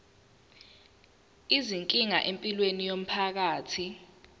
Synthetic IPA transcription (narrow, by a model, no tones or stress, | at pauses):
iziŋkʼiŋa̰ʔempʼilwenijom̩pʰak̬aːtʰi